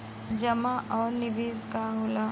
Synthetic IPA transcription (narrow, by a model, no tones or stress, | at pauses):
d͡ʒɐmaʔɔːɾnɪbeːzkaɦʊːla